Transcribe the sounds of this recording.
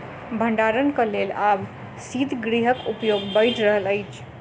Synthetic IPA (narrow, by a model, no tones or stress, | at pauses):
bʱəɳɖaɾənkəlelab | sid̪ʱɡɾiɦəkupjoɡbəɪʈʰɾəɦələjt͡ʃʰ